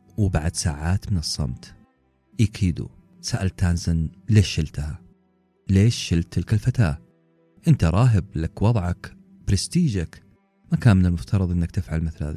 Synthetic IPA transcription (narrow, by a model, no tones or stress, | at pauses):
wbaʕd̪sa̰ːʕaːt̪mɪnɨsˤːɑ̰mt̪ | jakʰiːd̪ṵ | saʔalt̪aːnzɪnleːʃɪlt̪aha | leːʃːɪlt̪ːɪlkalfat̪a̰ː | ʔɪnt̪aɾˤɑːɦɪblakwɑðˤʕɑk | b̥ɾɪst̪iːd͡ʒak | makaːnmɪnɪlmʊft̪ʰɑɾˤɑðˤʔɪnːakt̪ɪfʕalmɪθlha̰ːða̰